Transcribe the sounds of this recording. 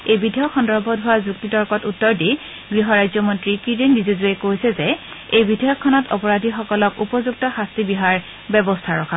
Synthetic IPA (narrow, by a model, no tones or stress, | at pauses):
ejbidʱɔjɔkxɔndɔɹbɔdʱʊwazuɡ̚titɔɹkɔtutːɔɹdi | ɡɹiɦɔɹajzɔmɔntɹikiɹendizɔzuekojsɛzɛ | ejbidʱɔjɔkʰːɔnɔtɔpɔɹadʱixɔkɔlɔkupɔzuk̚tɔxastibiɦaɹ | bɛbɔstʰaɹɔkʰa